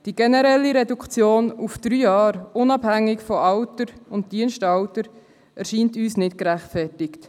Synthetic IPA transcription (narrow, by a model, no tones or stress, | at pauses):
d̥iɡɛnɛɾɛlːiɾɛdukt͡sjoːnufd̥ɾyːjɑːɾʊnɑbhæŋːɪkfɔʔɑwtəɾʊnt̚d̥iənʃtɑwtəɾ | ɛɾʃiːntyːsnɪtkɾæχtfɛrtɪkt